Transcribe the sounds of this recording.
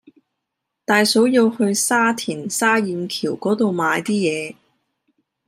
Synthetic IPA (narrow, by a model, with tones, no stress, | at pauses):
t̪aː˨jso˨˥wji˧whɵ˧ɥsaː˥t̪ʰiː˨˩nsaː˥jiː˨˧mkʰiː˨˩wkɔː˨˥t̪o˨wmaː˨˧jt̪iː˥jɛː˨˧